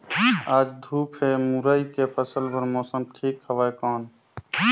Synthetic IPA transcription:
aːd͡ʒd̪ʱuːpʰɦemuɾaːikepʰəsəlbəɾmɔːsəmʈʰiːkhəʋaːjkɔːn

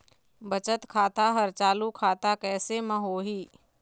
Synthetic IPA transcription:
bət͡ʃət̪kʰaːt̪aɦəɾt͡ʃaːlukʰaːt̪akɛːsemə̃ɦoːɦiː

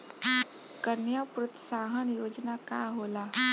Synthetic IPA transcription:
kənjapɾʊt̪saːɦənjoːd͡ʒnaka̰ɦola

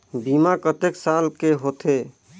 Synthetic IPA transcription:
bimakət̪eksalkeɦot̪ʰe

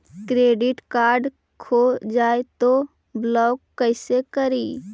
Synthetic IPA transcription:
kɾeːɖɪʈkaːɾɖ | kʰod͡ʒaːet̪o | blɔːkːəɪsekəɾiː

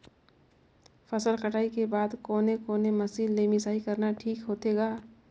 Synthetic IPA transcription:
fɐsəlkɐʈʰaːikebaːd̪koːnekoːnemɐsiːlːeːmisaːɦikɐɾnaʈʰiːkɦoːt̪eːɡaː

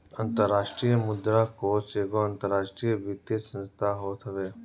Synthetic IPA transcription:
ɐnt̪əɾːaːʃʈɾijəmʊd̪ɾakoseːɡoɐnt̪əɾːaːʂʈɾijəʋit̪jesə̃nst̪ʰaɦoːt̪ɦəʋeː

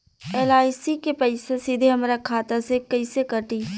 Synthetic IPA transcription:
eːlaːɪsikepəɪsesid̪ʱeɦɐmɾakʰaːt̪asekɐɪsekəʈi

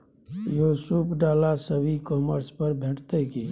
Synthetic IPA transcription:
joːsupɖaːlasəbʱikɔːməɾspəɾbʱẽːʈʰt̪ekiː

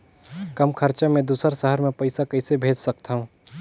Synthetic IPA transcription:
kɐmkʰəɾt͡ʃamẽd̪uːsəɾsəɦəɾmẽpəɪsakɐɪsebʱeːd͡ʒsək̚t̪aɦũ

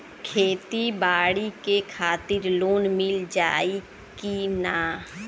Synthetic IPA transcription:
kʰeːt̪ibaːɽikekʰaːt̪ɪɾloːnmɪld͡ʒaːi | kinaː

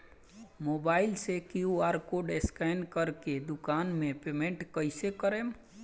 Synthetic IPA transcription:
mobaːɪlsekijuaːɾkoɖeskaɪnkəɾked̪ʊkaːnmẽpeːmẽɳʈkəɪsekəɾem

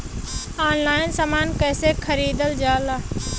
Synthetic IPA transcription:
aːnlaːɪnsamaːnkɛːsekʰəɾiːd̪əld͡ʒaːlaː

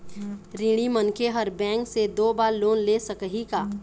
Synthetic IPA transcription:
ɾiːɽ̃imənkeɦəɾbɛ̃ːŋksed̪oːbaːɾloːnlesəkɦikaː

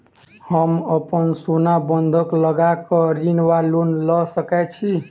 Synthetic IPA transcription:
həməpənsonabənd̪ʱəkləɡakəɾinwalunləsəkɛt͡ʃʰi

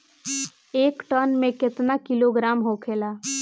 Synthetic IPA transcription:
eːkʈənmẽkɪt̪nakiloɡɾamɦokʰela

